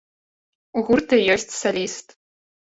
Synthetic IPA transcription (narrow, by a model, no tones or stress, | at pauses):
uɣurt̪ɨjɔsʲt͡sʲsɐlʲist̪